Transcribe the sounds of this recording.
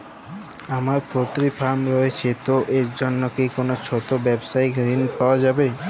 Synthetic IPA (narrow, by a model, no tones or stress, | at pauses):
amaɾpot̪ɾipʰamɾɔet͡ɕʰet̪oʔeɾd͡ʑonːokejkonot͡ɕʰot̪obɛbsajkɾinpaoad͡ʑabe